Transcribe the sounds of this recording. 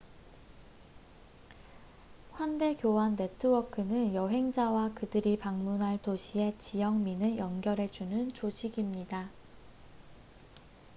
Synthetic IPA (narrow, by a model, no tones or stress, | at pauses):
ɸwande̞kjowanːe̞tʰɯwʌkʰɯnɯnjʌɦe̞ŋd͡ʑawakɯdɯɾipaŋmunɦaɭtoɕʰie̞t͡ɕijʌŋminɯnjʌŋɡjʌɾe̞d͡ʑunɯnt͡ɕod͡ʑiɡimɲida